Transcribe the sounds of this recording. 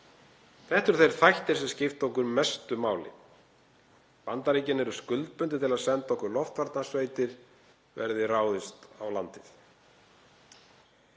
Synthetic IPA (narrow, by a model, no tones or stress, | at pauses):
θɛht̪ʏɾ̥θejɾ̥θajht̪ɪɾsɛmscɪft̪owkʏɾmɛst̪ʏmaːwlɪ̰ | pant̪aɾiːcɪnːɛɾʏskʏlt̪̚pʏnt̪ɪt̪ʰɪlaðsɛnt̪aɔhkʏɾlɔft̪vaɾt̪nasveːjt̪ɪɾ̥ | vɛ̰ɾðɪraːwðɪst̪awlant̪ɪθ